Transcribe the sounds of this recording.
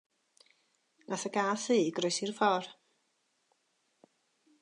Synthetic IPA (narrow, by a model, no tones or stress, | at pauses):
naθəɡaːθiːɡrɔjsirfɔr